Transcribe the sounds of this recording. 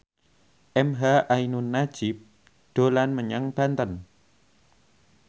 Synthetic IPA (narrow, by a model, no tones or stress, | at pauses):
ʔɛmɦaʔainunːad̥ʒ̥ɪp̚ | ɖ̪̥o̤lanməɲaŋb̥a̤nt̪ən